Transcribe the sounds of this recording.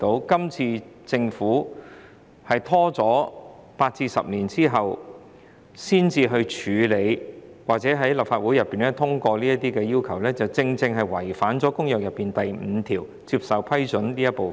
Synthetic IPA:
t̪o˨˧˥wkɐ˥mt͡sʰiː˧t͡sɪ˧ŋfuː˨˥ | hɐ˨jt̪ʰɔː˥t͡sɔː˨˥paː˧t̚t͡siː˧sɐ̰˨p̚liː˨˩nt͡siː˥ɦɐ˨w | siː˥nt͡siː˧ɦɵ˧ɥt͡ʃʰyː˨˧le˨˧jwaː˨k̚t͡sɛː˨˥ɦɐ˨˥jlɐ˨p̚faː˧t̚wu˨˥jɐ˨pːiː˨˩nɛ˥t̪ʰʊ˥ŋkʷɔː˧liː˥jɐ˥t̪iː˥kɛː˧jiː˥wkʰɐ˨˩wlɛː˥t͡sɐ˨wt͡sɪ˧ŋt͡sɪ˧ŋɦɐ˨jwɐ˨˩jfaː˨˥nt͡sɔː˨˥kʊ˥ŋjœː˨k̚jɐ˨˩pːiː˨˩nt̪ɐ˨jm̩˨˧˦t̪ʰiː˨˩w | t͡siː˧p̚sɐ˨wpʰɐ˥jt͡ʃɵ˨˥nliː˥jɐ˥t̚po˨

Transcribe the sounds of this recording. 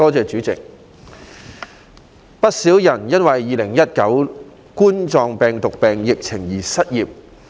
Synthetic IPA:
ɔː˥t͡sɛː˨˧t͡ʃyː˨˥t͡sɪ̰˨k̚ | pɐ˥t̚siː˨˥wjɐ˨˩njɐ˥nwɐ˨jːiː˨lɪ˨˩ŋjɐ˥t̚kɐ˨˥w | kuː˥nt͡sɔː˧ŋpɛː˨ŋt̪ʊ˨k̚pɛː˨ŋjɪ˨k̚t͡sʰɪ˨˩ŋjiː˨˩sɐ˥t̚jiː˨p̚

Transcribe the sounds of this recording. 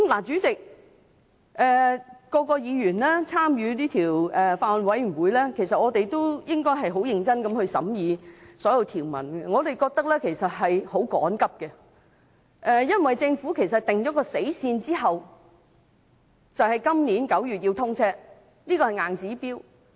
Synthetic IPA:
kmla˨˩t͡syː˨˥t͡sɪ˨k̚ | ʔɛː˨kːɔː˧kɔː˧jiː˨˧jyː˨˩nlɛː˥t͡sʰaː˥mjyː˨˧niː˥t̪ʰiː˨˩wʔɛː˨˩faː˧ɔ˨nwɐ˨˥jnwuː˨˧jlɛː˥kʰe˨˩jsɐ˨t̚ŋɔː˨˧t̪e˨jt̪o˥wjɪ˥ŋkɔː˥jɦɐ˨jɦo˨˥wjɪ˨˧ŋt͡sɐ˥nkɐ˨˥mhɵ˧ɥsɐ̰˨˥mjiː˨˧sɔː˨˥jɐ˧wt̪ʰiː˨˩wmɐ̰˨˩nɡɛ˧ŋɔː˨˧t̪e˨jkɔː˧k̚t̪ɐ˥k̚lɛː˥kʰe˨˩jsɐ˨t̚hɐ˨jho˨˥wkɔ̰ː˨˥nkɐ˥p̚kɛ˧ | ʔɛː˨jɐ˥nwɐ˨jt͡sɪ˧ŋfuː˨˥kʰe˨˩js̬ɐ˨˩t̚t̪ɪ˨ŋt͡ʃɔː˨˥kɔː˧se˨˥jsiː˧nt͡siː˥ɦɐ˨w | t͡sɐ˨whɐ˨jkɐ˥mniː˨˥nkɐ˨˥wjyː˨t̚ji˧wt̪ʰʊ˥ŋt͡sʰɛː˥ | liː˥kɔː˧hɐ˨jŋaː˨nt͡siː˨˥piː˥w

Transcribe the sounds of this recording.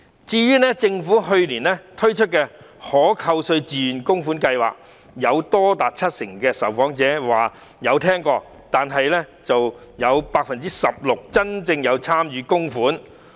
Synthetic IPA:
t͡siː˧jyː˥nɛː˥t͡sɪ˧ŋfuː˨˥ɦɵ˧ɥliː˨˩nɛ˥t̪ʰɵ˥ɥt͡ʃʰɵ˥t̚kɛː˧ | hɔː˨˥kʰɐ˧wsɵ˧ɥt͡siː˨nkʊ˥ŋfuː˨˥nkɐ˧jwa̰ː˨k̚ | jɐ˨˧wt̪ɔː˥t̪aː˨t̚t͡sʰɐ˥t̚sɪ˨˩ŋkɛː˧sɐ˨˩wfɔː˨˥ŋt͡sɛː˨˥waː˨ | jɐ˨˧wt̪ʰɛː˥ŋkɔː˧ | t̪aː˨nɦɐ˨jlɛː˥t͡sɐ˨wjɐ˨˧wpaː˧k̚fɐ˨nt͡siː˥sɐ˨p̚lʊ˨k̚t͡sɐ˥nt͡sɪ˧ŋjɐ˨˧wt͡sʰaː˥mjyː˨˧kʊ˥ŋfuː˨˥n

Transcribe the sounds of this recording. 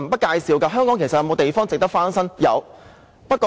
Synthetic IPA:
m̩˩pɐ˥t̚kaː˧jsiː˨˧wkaː˧ɦœː˥ŋkɔː˨˥ŋkʰjsɐ˨jɐ˧wmo˨˧t̪e˨jfɔː˥ŋt͡sɪ˨k̚t̪ɐ˥kfaː˥nsɐ˥ŋjɐ̰˨˧w | pɐ˥t̚kɔː˧

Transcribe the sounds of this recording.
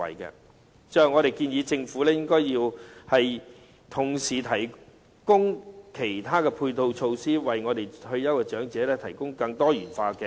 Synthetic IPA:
ɐ̰˨jkɛ̰˧ | t͡ʃœː˨˧ŋɔː˨˧ɾe˨jkiː˧njiː˨˧t͡sɪ˧ŋfuː˨˥lɛː˥jɪ˥ŋkɔː˥jjiː˧whɐ˨j | t̪ʰʊ˨˩ŋsiː˨˩t̪ʰɐ˨˩j | kʊ˥ŋkʰe˨˩jt̪ʰaː˥kɛː˧pʰuː˧jt̪o˧wt͡ʃʰo˧wsiː˥wɐ˨˩jŋɔː˨˧t̪e˨jhɵ˧ɥjɐ˥wkɛ˧t͡ʃœː˨˥ŋt͡sɛː˨˥lɛː˥t̪ʰɐ˨˩jkʊ˥ŋkɐ˧ŋt̪ɔː˥jyː˨˩nfaː˧kɛ˧

